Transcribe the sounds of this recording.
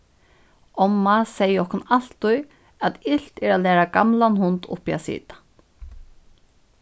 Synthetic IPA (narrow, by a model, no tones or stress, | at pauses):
ɔmːasɛjːəɔhkʊnal̥t̪ʊj | at̪ɪl̥t̪ɛɾalɛːɾakamlanhʊnt̪ʊ̰hpia̰sḭːt̪ḁ